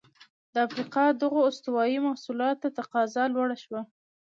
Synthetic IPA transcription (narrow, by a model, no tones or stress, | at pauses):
d̪əafɾiqɑd̪əɣoːst̪ʊwɑjimahsulɑt̪ːat̪aqɑzɑlwaɽaʃwa